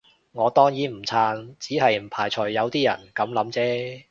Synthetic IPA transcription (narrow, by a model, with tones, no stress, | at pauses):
ŋɔː˨˧t̪ɔː˥ŋjiː˨˥m̩˨˩t͡sʰaː˧nt͡siː˨˥hɐ˨jm̩˨˩pʰaː˨˩jt͡ʃʰɵː˨˩ɐ˨˧wt̪iː˥jɐ̰˨˩nkɐ˨˥mlɐ˨˥mt͡sɛː˥